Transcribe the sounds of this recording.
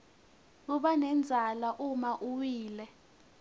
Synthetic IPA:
k̬uɓanɛnd͡zʱalaʔumaʔuwiːlɛ

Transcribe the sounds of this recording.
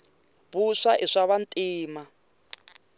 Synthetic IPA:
βuʂaʔiʂaβantʼiːma

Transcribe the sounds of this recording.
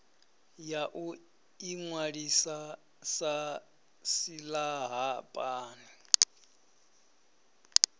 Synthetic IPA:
jaʔu | iŋwaɺisa | sa | silaɦapʼaːnɛ

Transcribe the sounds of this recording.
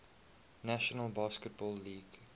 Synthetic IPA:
næʃənəlˠbaːskət̚bɔːlːiːɡ̥

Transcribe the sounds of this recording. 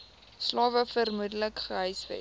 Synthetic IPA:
slɑːvəfərmudələkχəɦœjsvɛ̰

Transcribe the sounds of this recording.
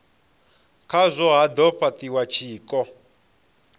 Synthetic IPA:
kʰazʷɔɦad̪ɔɸat̪iwat͡ʃʰiːkɔ

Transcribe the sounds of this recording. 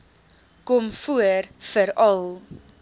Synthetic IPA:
kɔmfuərfəɾɐlˠ

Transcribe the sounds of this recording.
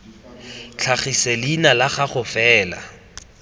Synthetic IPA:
t͡ɬʰaχiselinalaχaχʊfɛːla̰

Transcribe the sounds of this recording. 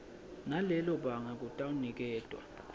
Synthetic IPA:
nalɛlɔɓaŋak̬ʼutʼawunik̬ɛːtʼwa̰

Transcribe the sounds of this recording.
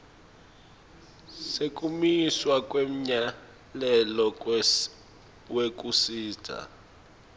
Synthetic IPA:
sek̬ʼumiswak̬ʼwem̩ɲa | lɛlɔ | wek̬ʼusiːtʰʼa̰

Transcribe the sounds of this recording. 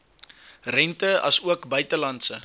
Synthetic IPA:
rɛntəɐ̰suəkbœɥtəlɐntsə

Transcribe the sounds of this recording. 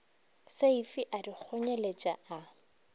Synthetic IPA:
seifiʔadik͡xʰoɲelet͡ʃʼa̰a

